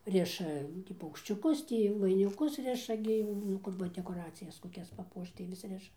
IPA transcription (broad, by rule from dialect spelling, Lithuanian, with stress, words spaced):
ˈrʲɪʃɐ ˈnʊ tʲiː pɐʊkʃʲt͡ʃʲʊˈkʊs ˈtʲiː ʋɐɪnʲɪˈkʊs ˈrʲɪʃɐ ɡʲɪ nʊ ˈkʊr ʋɐ dʲɛkoːˈrɑːt͡sʲɪjɛs koːˈkʲɛs pɐˈpuɔʃt tɐɪ ʋʲɪs ˈrʲɪʃɐ